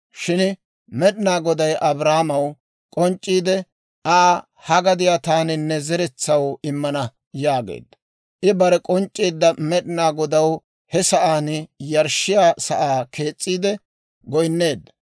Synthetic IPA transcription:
ʃɪn | mɛɗɪnaːɡɔd̪ɐjʔɐbɾaːmɐw | kʼɔnt͡ʃʼːiːd̪ɛ | ʔaː | hɐɡɐd̪ɪjat̪aːnɪnːɛzɛɾɛt͡sːɐwɪmːɐnɐ | jaːɡḛːd̪ːɐ̥ | ʔɪbɐɾɛkʼɔnt͡ʃʼːiːd̪ːɐmɛɗɪnaːɡɔd̪ɐw | hɛsɐʔaːnjɐɾʃɪjaːsɐʔaːkʰe̞ːt͡sʼːiːd̪ɛ | ɡɔjnːe̞ːd̪ːɐ̥

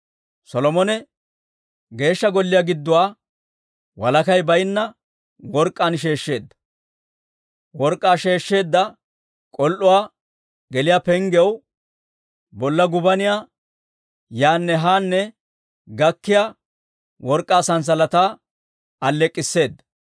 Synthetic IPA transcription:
sɔlɔmɔnɛ | ɡe̞ːʃːɐɡɔlːɪjaːɡɪd̪ːʊwaː | wɐlɐkɐjbɐjɪnːɐ | wɔɾkʼːanʃ̬e̞ːʃːe̞ːd̪ːɐ̥ | wɔɾkʼːaːʃe̞ːʃːe̞ːd̪ːɐ | kʼɔlʔʊwaː | ɡɛlɪjaːpɛŋɡɛw | bɔlːɐɡʊbɐnɪjaː | jaːnːɛɦaːnːɛ | ɡɐkːɪjaː | wɔɾkʼːaːsɐns̬ɐlɐt̪aː | ɐlːɛkʼːɪsːe̞ːd̪ːɐ

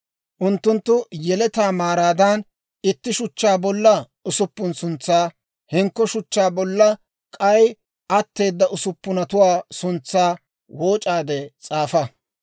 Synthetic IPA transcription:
ʔʊnt̪ːʊnt̪ːʊjɛlɛt̪aːmaːɾaːd̪ɐn | ɪt̪ːɪʃʊt͡ʃːaːbɔlːɐ | ʊsʊpːʊnsʊnt͡sːaː | hɪŋkːɔʃʊt͡ʃːaːbɔlːɐ | kʼɐj | ʔɐt̪ːe̞ːd̪ːɐʔʊsʊpːʊnɐt̪ʊwaːsʊnt͡sːaː | woːt͡ʃʼaːd̪ɛt͡sʼaːfɐ

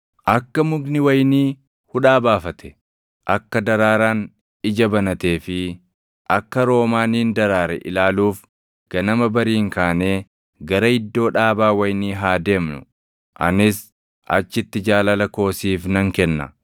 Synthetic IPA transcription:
ʔɐkːɐmʊɡnɪwɐjniː | hʊᶑaːbaːfɐt̪ʰɛ̥ | ʔɐkːɐd̪ɐɾaːɾaːn | ɪd͡ʒɐbɐnɐt̪e̞ːfɪ | ʔɐkːɐɾo̞ːmaːniːnd̪ɐɾaːɾɛ̰ʔɪ̰laːluːf | ɡ̥ɐnɐmɐbɐɾiːŋkaːne̞ː | ɡɐɾɐhɪd̪ːo̞ːᶑaːbaːwɐjniːɦaːd̪e̞ːmnʊ̰ | ʔɐ̰nɪs | ʔɐ̰t͡ʃːɪt̪ːɪd͡ʒaːlɐlɐko̞ːsiːfnɐŋkɛnːɐ̰

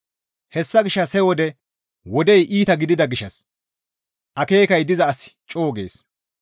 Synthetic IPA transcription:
hɛsːɐɡɪʃːɐshɛwɔd̪ɛ | wɔd̪ɛjʔiːt̪ɐɡɪd̪ɪd̪ɐɡɪʃːɐs | ʔɐke̞ːkɐjd̪ɪzɐːsɪ̥t͡ʃʼo̞ːɡe̞̰ːs

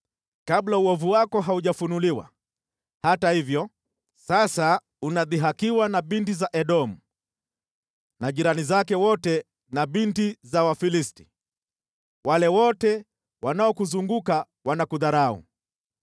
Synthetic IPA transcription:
kablauwɔvuwakɔɦauʄafunuliwa̰ | hatahivjɔ | sasa | unaðiɦakiwanaɓintizaʔɛɗɔm̩ | naʄiɾanizakɛwɔtɛ | naɓintizawafilisti̥ | walɛwɔtɛ | wanaɔkuzuŋɡuka | wanakuðaɾaṵ

